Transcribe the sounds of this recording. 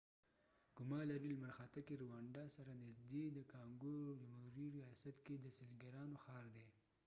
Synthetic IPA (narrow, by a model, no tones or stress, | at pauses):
ɡ̥ʊmɑlaɾiləmaɾxat̪akeɾuwɑɳɖɑsaɾanɪzd̪ed̪əkɑŋɡoɾod͡ʒamhuɾiɾijɑsat̪ked̪əsɪlɡaɾɑnoxɑɾd̪e